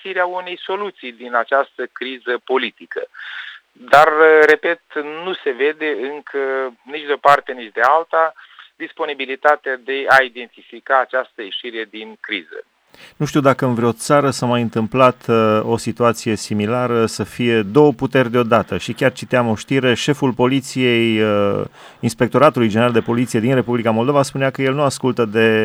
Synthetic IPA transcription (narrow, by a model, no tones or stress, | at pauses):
ʃiɾeaune̞jso̞lut̪sijd̪inat͡ʃast̪əkɾizəpo̞lit̪ikə̰ | d̪arre̞pe̞t̪nuse̞ve̞d̪e̞ɨŋkʰənit͡ʃd̪eo̞part̪e̞nit͡ʃd̪e̞alt̪ad̪ispo̞nibilit̪at̪ead̪e̞aid̪e̞nt̪ifikaːt͡ʃast̪əjeʃiɾe̞d̪inkɾizə̰ | nuʃt̪iuwd̪akəɨnvɾeo̞t̪saɾəsamajɨnt̪ɨmplat̪o̞sit̪uat̪sije̞similaɾəsəfije̞d̪o̞wəput̪e̞rʲd̪eo̞d̪at̪əʃikʲart͡ʃit̪eamo̞ʃt̪iɾe̞ʃe̞fulpo̞lit̪sije̞j | inspe̞k̚t̪o̞ɾat̪ulujd͡ʒeneɾald̪e̞po̞lit̪sied̪inre̞publikamo̞ld̪ovaspuneakəje̞lnuaskult̪əd̪e̞